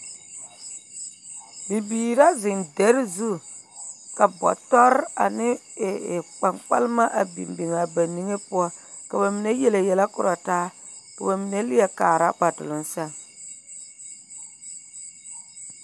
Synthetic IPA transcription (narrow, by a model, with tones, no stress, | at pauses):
bi˨biː˨ɾa˦zɪ˨ndɛ˦ɾɪ˦zu˦ | ka˨bɔ̰˨tɔ˦ɾa̰˨nɪ˦˨ | k͡pa˨ŋk͡pa̰˦lma˦ʔa˨bḭ˨mbi˨ŋa˨ba˨ni˦ŋe˦pʊ˦ɔ˦ | ka˨ba˨mi˨ne˦jɛ˦le˨jɛ˨la˦kʊ˦ɾa˨taː˦ | ka˨ba˨mi˨ne˦lɪ˦jɛ˦kaː˨ɾa̰˦k͡pa˨tʊ̰˨lʊ˦nsa˦˨ŋ